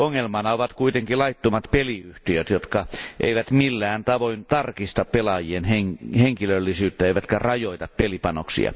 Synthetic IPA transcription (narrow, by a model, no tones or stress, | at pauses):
oŋːelmɑnɑoʋɑt̪kuit̪eŋkilɑit̪ːomɑt̪peliyht̪iøt̪jot̪kɑʔḛiʋæt̪milːæːnt̪ɑʋoint̪ɑrkist̪ɑppelɑjieneŋheŋkilølːisyːt̪ːæeˑiʋæt̪kærɑjoit̪ɑppelipɑno̰ksḭɑ̰